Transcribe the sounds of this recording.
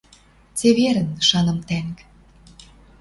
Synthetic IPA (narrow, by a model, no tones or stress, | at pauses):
t͡seβeɾə̆nʃɑnɤ̆mt̪æŋk